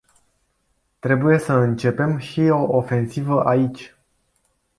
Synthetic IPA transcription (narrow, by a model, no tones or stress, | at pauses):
t̪ɾe̞buje̞səɨnt͡ʃe̞pe̞mʃio̞ʔofe̞nsivəʔait͡ʃʲ